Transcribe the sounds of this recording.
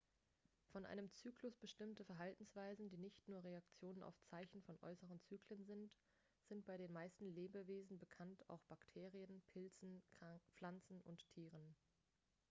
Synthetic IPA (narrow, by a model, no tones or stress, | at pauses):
fɔnʔa̰ɪnəmt͡syːklʊsb̥əʃtɪmtəfɛɐɦaltn̩sv̥aɪzn̩diːnɪçtnuːɐʁeakt͡sjoːnəna̰ʊft͡saɪçn̩fɔnʔɔ̰ʏsəʁənt͡syːkʰlənzɪnt | z̥ɪnt̚b̥aɪɾeːnmaɪstn̩leːbəveːzn̩bəkʰanta̰ʊxb̥aktʰeːʁiənpʰɪlt͡sn̩fl̥ant͡sn̩ʔʊnttʰiːʁ̞ən